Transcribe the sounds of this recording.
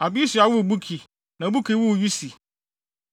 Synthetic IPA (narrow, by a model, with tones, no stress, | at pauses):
a˨bi˦i˦si˨a˨wu˦˨bu˦kʰi˨ | nã˨bu˦kʰi˨˦wu˦wju˦si˨